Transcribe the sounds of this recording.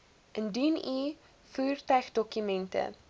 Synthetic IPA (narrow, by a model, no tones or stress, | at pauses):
ʔənduni | fuːrtœɥχdɔkymɛntə̰